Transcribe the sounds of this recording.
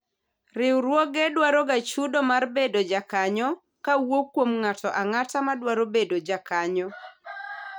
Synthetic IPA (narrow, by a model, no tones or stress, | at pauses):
rɪwɾwɔɡedwaɾɔɡat͡ʃudomarbedod͡ʒakaɲɔ | kawokwomŋatɔʔaŋatamadwaɾobedod͡ʒakaɲɔ